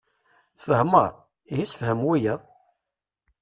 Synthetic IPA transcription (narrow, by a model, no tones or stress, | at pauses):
θfəhməɾ̰ˤ | ijisfhəmwijəðˤ